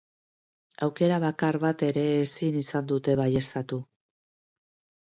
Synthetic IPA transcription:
awke̞ɾaβ̞akaɾβat̪e̞ɾe̞ːsinisand̪ut̪e̞βaje̞st̪at̪u

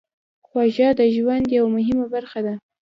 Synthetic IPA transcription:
xwɑʒɑd̪əʒwand̪jawamʊɦɪmabaɾxad̪a

